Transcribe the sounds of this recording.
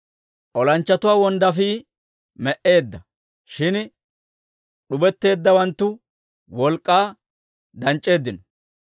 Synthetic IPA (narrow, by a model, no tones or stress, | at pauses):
ʔɔlɐnt͡ʃːɐt̪ʊwaːwɔnd̪ɐfiː | mɛʔe̞ːd̪ːɐ | ʃɪn | ɗʊbɛt̪ːe̞ːd̪ːɐwɐnt̪ːʊ | wɔlkʼːaː | d̪ɐnt͡ʃʼːe̞ːd̪ːɪnɔ